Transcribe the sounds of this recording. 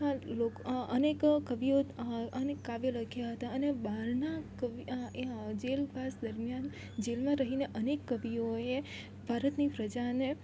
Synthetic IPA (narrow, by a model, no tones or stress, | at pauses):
alokənekkəʋioənekːaʋeləkʰjaɦət̪aənebaɾnakəʋi | d͡ʒelbʱasd̪əɾmjan | d͡ʒelmãɾəɦineʔənekːəʋioe | bʱaɾət̪nipɾəd͡ʒane